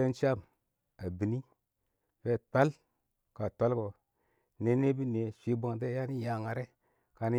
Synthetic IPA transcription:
e˦n˦t͡ʃa˦m | a˨bi˨ni˦ | ve˦˨tʷa˦l | ka˨tʷa˦lko˨ | ne˦ne˦bi˦ne˨ʃʷi˦bʷo˦ŋ˨de˦ja˦ni˦ja˨ŋa˨ɾe˦ | ka˨ni˦

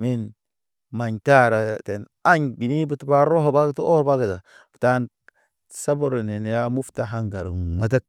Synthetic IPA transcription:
mi˦n | ma˨ɲta˦ɾa˨te˨n | a˦ɲbi˨ni˦bu˨tba˦ɾo˦ɦo˨ba˦ɡtu˦o˦ɾba˦ɡə˨ta˨ | fta˦n | sa˦bo˦ɾo˨ne˨n˨ja˦mu˦fta˦ɦa˦ŋɡa˨ɾ̰ma˨t̬a˦k̚

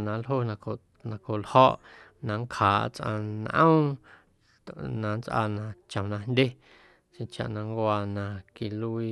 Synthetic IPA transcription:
nã˨lɦo˧nã˧ko˨ | nã˨ko˨lhɔ˦ʔ | nã˧ŋkhaː˨˦ʔt͡sʔã̰˧nʔə̰̃˦w | nã˨nt͡sʔa̰ː˧nã˨t͡ʃə̃˨nã˧ndʲe˦ | ʃẽ˧t͡ʃa̰˨ʔnã˧ŋkʷaː˧nã˧ki˧lu˧iː˧

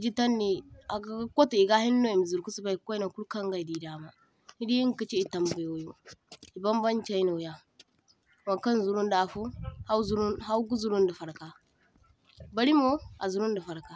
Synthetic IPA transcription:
d͡ʒi˦ta˦nːi˨a˨ɡko˦tu˨i˨ɡa˦hi˦nː˦o˦i˨mi˨zu˨ɾku˦su˦ba˦i˨ko˦i˦na˨ku˦ka˦ŋɡa˨i˨di˨da˨ma˨ | hi˦di˦i˦ŋ˦ki˦t͡ʃi˦i˨ta˨mbu˨jo˨˦jo˦i˨ba˦m˦ba˦n˦t͡ʃa˦i˦nu˨ja˨ | wa˨ka˦n˨zu˨ɾu˦n˦da˨fo˦ha˦zu˦ɾu˦ha˦wɡu˦zu˦ɾu˦nda˨fa˨ɾka˨ | ba˦li˦mo˦a˨zu˨ɾu˦nda˨fa˨ɾka˨

